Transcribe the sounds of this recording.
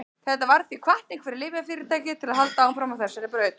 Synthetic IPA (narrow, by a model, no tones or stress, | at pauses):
θɛht̪avaɾθikʰvaht̪nɪŋkvɛɾɪlɪːvɪafɪːɾɪɾt̪ʰaːjcɪt̪ʰɪlaðɦalt̪aawmfɾamawθɛsaɾɪpɾœːɥt̪